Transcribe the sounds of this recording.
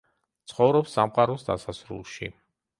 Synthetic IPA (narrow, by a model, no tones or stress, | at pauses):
t̪sʰχɔvɾɔpsːamqʼaɾɔsd̪a̰sasɾṵlˠʃḭ